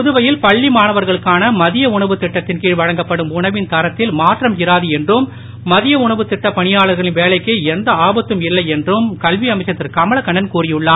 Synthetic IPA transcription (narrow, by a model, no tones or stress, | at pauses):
pʊðɯʋɐjɪlpɐɭːimaːnɐʋɐɾɣɐɭɯkːaːnɐmɐðɪjɐʊɳɐʋɯt̪ːɪʈːɐt̪ːɪnkiːɻʋɐɻɐŋɡɐpːɐɽɯmʊɳɐʋɪnt̪ɐɾɐt̪ːɪlmaːʈrɐmjɪɾaːðɯɛndrɯmː | ɐðɪjɐʊɳɐʋɯt̪ːɪʈːɐpɐɳɪjaːɭɐɾɣɐɭɪnʋeːlɐɪkːɯɛnd̪ɐaːbɐt̪ːɯmɪlːɐɪɛndrɯmkɐlʋiɐmɐɪt͡ʃːɐt̪ːɪrkɐmɐɭɐkːɐɳːɐnkuːrɪjɯɭːaː